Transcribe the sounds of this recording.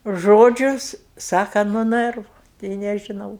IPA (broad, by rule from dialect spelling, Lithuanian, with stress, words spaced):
ˈʒoːd͡ʒʲʊ ˈsɑːkɐ nʊ ˈnɜrʋʊ tʲɛɪ nʲɛʒʲɪˈnɐʊ